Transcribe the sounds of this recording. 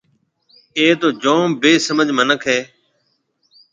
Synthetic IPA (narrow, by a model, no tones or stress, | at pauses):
eːt̪oːd͡ʒõːbeːsəməd͡ʒʱmənəkʰɦeː